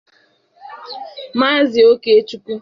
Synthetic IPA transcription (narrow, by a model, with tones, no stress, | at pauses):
maː˦zɪ˨o˦ke˦e˦t͡ʃu˦kʷu˦